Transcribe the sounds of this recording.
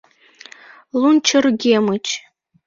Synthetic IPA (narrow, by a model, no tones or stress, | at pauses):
lunt͡ʃʰɨrɡʲemɨt͡ʃʰʼ